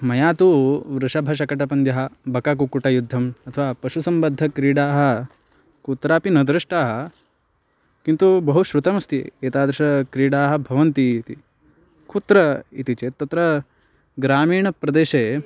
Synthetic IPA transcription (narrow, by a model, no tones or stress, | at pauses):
mɐjaːt̪uʋɾuʂɐbʱɐʃ̬ɐkɐʈɐpɐnd̪jɐɦɐ̆bɐkak̬ukuʈɐjud̪ʱːɐmɐt̪ʰɐʋaːpɐʃusɐmbɐd̪ʱːɐkɾiːɽaːɦɐ̆ | kuːt̪ɾaːpinɐd̪ɾɐʂʈaːɦɐ̆ | kint̪ubɐɦuʃɾut̪ɐmɐst̪ḭeːt̪aːd̪ɾɐʂɐkɾiːɽaːɦɐ̆bʱɐʋɐnt̪it̪ḭ | kuːt̪ɾɐit̪it͡ʃeːt̪ɐt̪ɾɐ | ɡɾaːmiːɳɐpɾɐd̪eːʃeː